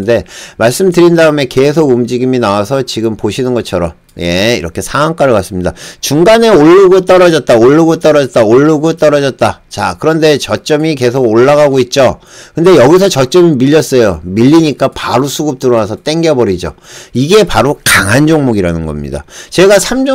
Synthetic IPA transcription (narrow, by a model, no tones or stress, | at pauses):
nde̞maɭs͈ɯmdɯɾindaɯme̞ke̞sʰoɡumd͡ʑiɡiminawasʰʌt͡ɕiɡɯmpoɕʰinɯnɡʌt͡ɕʰʌɾʌm | je̞iɾʌkʰe̞sʰaŋaŋk͈aɾɯɭkas͈ɯmɲidat͡ɕuŋɡane̞oɭːɯɡot͈ʌɾʌd͡ʑʌt̚t͈aoɭːɯɡot͈ʌɾʌd͡ʑʌt̚t͈aoɭːɯɡot͈ʌɾʌd͡ʑʌt̚t͈at͡ɕa̰kɯɾʌnde̞t͡ɕʌt͡ɕ͈ʌmike̞sʰoɡoɭːaɣaɡoit̚t͡ɕ͈o | kɯnde̞jʌɡis̬ʰʌt͡ɕʌt͡ɕ͈ʌmimiʎːʌs͈ʌjomiʎːiɲik͈apaɾosʰuɡup̚t͈ɯɾonasʰʌt͈e̞ŋɡebʌɾid͡ʑo̰iɡe̞paɾokaŋɦand͡ʑoŋmoɡiɾanɯnɡʌ̰mɲḭda̰t͡ɕe̞ɡasʰamd͡ʑo